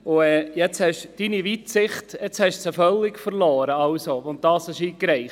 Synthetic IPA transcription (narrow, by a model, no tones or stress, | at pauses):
ʊɛːjɛt͡shɛʃd̥iniʋitsɪχtjɛt͡shɛʃsɛfœlːɪkfəɾlɔːɾəɑwsoɔndɑːshɛʃiːkɾɛɪχ